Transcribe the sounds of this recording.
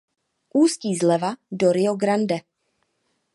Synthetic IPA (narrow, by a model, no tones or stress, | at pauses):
ʔuːsciːzlɛvadoɾɪoɡɾandɛ